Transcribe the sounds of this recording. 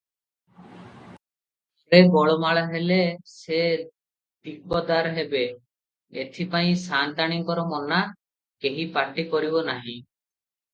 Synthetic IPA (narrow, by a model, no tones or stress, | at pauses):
ɔɾebɔɭɔmaɭaɦelese | d̪ik̚ɔd̪aɾɦebe | et̪ʰipaĩsant̪aɽ̃iŋkɔɾɔmɔna | keɦipaʈikɔɾibɔnaɦĩ